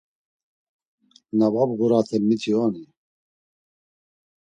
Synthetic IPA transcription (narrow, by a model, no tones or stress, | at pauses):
nababɡuɾaːt̪ʰɛmit̪ʰioːni